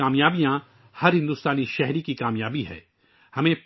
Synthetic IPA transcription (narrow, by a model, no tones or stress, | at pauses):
aːmjaːbijã | hɐɾɦɪ̃nd̪ʊst̪aːniʃɛɦɾikikaːmjaːbiɦɛ̰ː | hɐmẽp